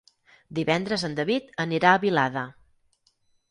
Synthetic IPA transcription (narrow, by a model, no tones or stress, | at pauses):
d̪iβɛnd̪ɾəzənd̪əβit̪əniɾaəβilaðə